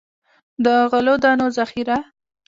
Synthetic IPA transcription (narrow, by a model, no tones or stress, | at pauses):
d̪əɣəlod̪ɑnozaxiɾa